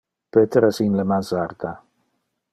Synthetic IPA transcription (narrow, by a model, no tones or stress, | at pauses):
b̥ɛtʰəɾəsinləmazarda